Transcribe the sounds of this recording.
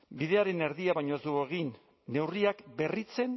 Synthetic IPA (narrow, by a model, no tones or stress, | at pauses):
biðe̞aɾe̞ne̞ɾðiaβajɲoezd̪ueɣinː | e̞wriakbe̞rit͡se̞n